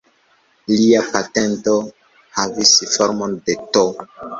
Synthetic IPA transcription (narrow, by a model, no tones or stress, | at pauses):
liapate̞nto | havisfoɾmonde̞to